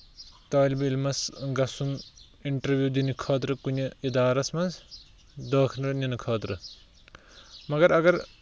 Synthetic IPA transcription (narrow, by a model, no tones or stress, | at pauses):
t̪ɐːlbiilmɐsɡɐsun | iɳʈɐɾʋjuːd̪inikʰɐːt̪̬ɾɨkunʲɐid̪aːɾɐsmɐns | d̪ɐːkʰnɐɾninɨkʰɐːt̪ɾɨ | mɐɡɐɾɐɡɐɾ